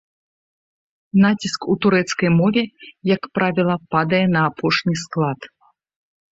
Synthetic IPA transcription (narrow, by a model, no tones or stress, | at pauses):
n̪at͡sʲiskut̪uɾɛt̪skɐjmɔvʲɛjɐkpɾavʲilˠɐpad̪ɐjɛnɐːpʰɔʂnʲisklˠat̪